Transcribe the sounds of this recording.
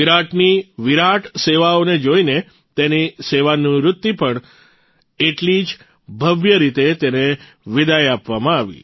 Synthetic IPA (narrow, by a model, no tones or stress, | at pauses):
iɾaʈʰniʋiɾaʈʰseʋaoned͡ʒoine | t̪eniseʋanĩɾʊt̪ːipəɳ | eʈlid͡ʒ | bʱəʋjəɾit̪et̪ene | ʋɪd̪ajapʋamãaʋḭ